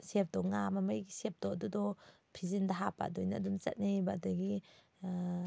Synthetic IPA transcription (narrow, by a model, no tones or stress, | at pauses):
sep̚ʰdɔŋamamajɡisep̚d̥ɔɐdudɔ | pʰizindaɦapa̰dojnadumt͡ʃɐ̰t̚nibadɔɡi